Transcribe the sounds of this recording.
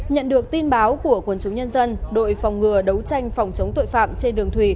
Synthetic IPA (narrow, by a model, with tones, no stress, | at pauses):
ɲə̰˧˨nɗɨ˨˩ək̚t̪i˧nɓaː˨˦wku˧˩əkwə˧˩nt͡ɕə˨˦wŋ͡mɲə˧nzə˧nɗo̰˧˨jfa˨˩wŋ͡mŋɨ˨˩əɗə˨˦wt͡ɕa˧jŋ̟fa˨˩wŋ͡mt͡ɕə˨˦wŋ͡mt̪o̰˧˨jfa̰ː˧˨mt͡ɕe˧nɗɨ˨˩əŋt̪ʰwi˧˩